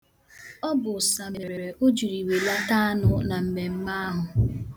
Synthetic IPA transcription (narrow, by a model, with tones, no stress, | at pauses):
ɔ˦bʊ˨sa˨m̩˨e˨ɾe˨ɾe˨ʔo˦d͡ʒi˨ɾi˨we˨la˦ta˦a˦nʊ˨na˨m̩˨me˨m̩˦ma˦ɦʊ˨